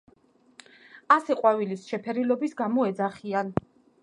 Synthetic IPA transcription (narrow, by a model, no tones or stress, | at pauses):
asɛqʼwavilisʃɛpʰɛɾilɔbisɡamɔɛd̪zaχian